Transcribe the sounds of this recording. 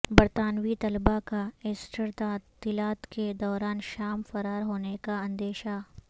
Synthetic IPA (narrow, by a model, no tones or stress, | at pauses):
bɐɾt̪aːnwit̪ɐlbakaeːsʈəɾt̪aːt̪ːilaːt̪ked̪ɔːɾaːnʃaːmfɐɾaːɾɦoːnekaɐ̃nd̪eːʃa